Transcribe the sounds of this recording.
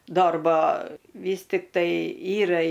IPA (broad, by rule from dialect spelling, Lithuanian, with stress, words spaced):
ˈdoːrbɐ ˈʋʲiːs tʲɪktɐɪ ˈiːrɐ